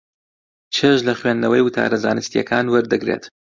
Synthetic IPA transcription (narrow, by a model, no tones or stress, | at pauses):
t͡ʃʰeʃlɐχwend̪nɐwɐjwɨt̪ʰa̰ːɾɐza̰ːnɨst̪jɐkʰaːnwɐɾd̪ɨɡɾḛt̪